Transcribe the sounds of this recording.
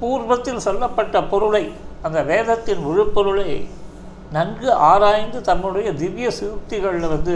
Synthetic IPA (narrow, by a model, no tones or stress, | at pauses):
puːɾbɐt̪ːɪlsɔlːɐpːɐʈːɐpɔɾɯɭɐɪɐnd̪ɐʋeːðɐt̪ːɪnʋɪɻɯpːɔɾɯɭɐɪ | nɐnɡɯʔaːɾaːjnd̪ɯt̪ɐmːɯɽɐjɐd̪ɪʋɪjɐsɪt̪ːɪɣɐɭlʋɐnd̪ɯ